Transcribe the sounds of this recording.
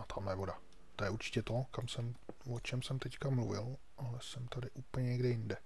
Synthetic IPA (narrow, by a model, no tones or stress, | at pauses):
at̪ʰamlajɛvo̞da | t̪o̞jɛʔuɾt͡ʃɪ̥cɛt̪o̞kamsɛmvot͡ʃɛmsɛmt̪ɛckamluvɪ̰l | ʔalɛsɛmt̪adɪʔuːpl̩ɲɛɲɛɡdɛjɪndɛ